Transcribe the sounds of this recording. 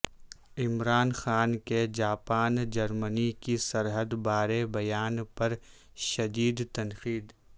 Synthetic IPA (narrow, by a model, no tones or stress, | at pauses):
ɪmɾaːnxaːnked͡ʒaːpaːnd͡ʒɐɾmənikisɐɾɦəd̪baːɾebɐjaːnpɐɾ | ʃɐd̪iːd̪t̪ɐnxiːd̪